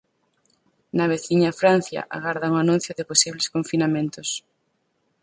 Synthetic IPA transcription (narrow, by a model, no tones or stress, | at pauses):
nɐβ̞eθiɲafɾan̟θjɐ̰ʔa̰ɣaɾðauŋanũn̟θjʊðɪposiβleskoɱfinamẽnt̪ʊs